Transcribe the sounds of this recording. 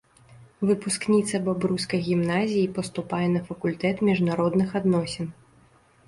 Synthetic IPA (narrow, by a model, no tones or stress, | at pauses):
vɨpusknʲit̪sɐbabɾuskɐjɣʲimnazʲijipɐst̪upajɛnɐfɐkulʲt̪ɛt̪mʲiʐnaɾɔd̪nɨxad̪nɔsʲɛn